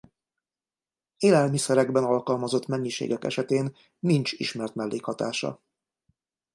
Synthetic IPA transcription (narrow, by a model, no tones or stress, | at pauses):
eːlɛlmisɛɾɛɡbɛnɒlkɒlmɒzot̪mɛɲːiʃḛːɡɛkɛ̰ʃɛt̪eːnː | int͡ʃiʃmɛrt̪mɛlːeːkhɒt̪aːʃɒ̰